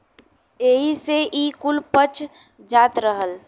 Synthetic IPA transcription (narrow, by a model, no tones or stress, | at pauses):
eːɦiseʔikʊlpət͡ʃ | d͡ʒaːt̪ɾəɦəl